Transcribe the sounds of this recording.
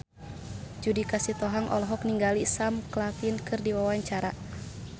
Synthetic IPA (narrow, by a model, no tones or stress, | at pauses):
d͡ʒudikasit̪ɔɦaŋʔɔ̰lɔɦɔkniŋɡalisamklapinkʰɨrdiwawaɲt͡ʃaɾa